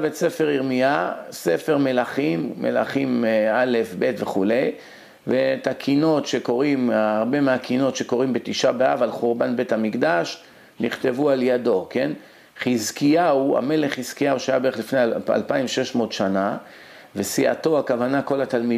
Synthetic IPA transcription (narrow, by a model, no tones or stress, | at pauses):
vetse̞fe̞ʁiʁmiase̞fe̞ʁme̞laχimːḛla̰χimale̞fbe̞t̪veχule̞j | vet̪akʰino̞t̪ʃe̞ko̞ʁimaːʁbe̞meakʰino̞tʃe̞ko̞ʁimbet̪iʃabeavalχuʁbanbe̞thamikd̪aʃ | niχt̪e̞vualjado̞ke̞n | χizkiaua̰me̞le̞χiz̥kijauʃajabeeχlifnea̰lpaimʃe̞ʃmo̞t̪ʃana | vesiʔa̰t̪o̞akavanako̞lat̪almi